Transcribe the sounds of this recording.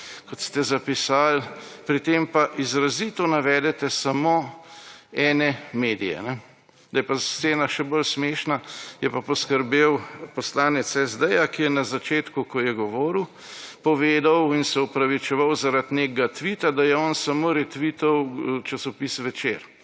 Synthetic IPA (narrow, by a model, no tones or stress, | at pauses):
kɔt̪st̪ɛzapisalpɾit̪eːmpaʔizɾazit̪ɔnaʋɛːd̪ɛt̪ɛsamoː | ɛːnɛmeːd̪ijɛ̰nɛ | d̪ajɛpast̪seːnaʃɛbɔlsmeːʃnajɛpapɔskəɾbeːwpɔslaːnɛt̪sɛzd̪ɛjakijɛnazat͡ʃeːt̪kukɔjɛɡɔʋɔːɾiw | pɔʋeːd̪ɐwinsɛɔpɾaʋit͡ʃɛʋawzaɾat̪nek̚ɡat̪ʋit̪ad̪ajɛɔnsamoːɾɛt̪ʋit̪ɔwt͡ʃasɔpisʋɛt͡ʃeɾ